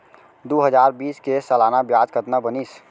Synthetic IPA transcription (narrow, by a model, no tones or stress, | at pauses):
d̪uɦəd͡ʒaɾbiːskesəlanabjad͡ʒkət̪nabənis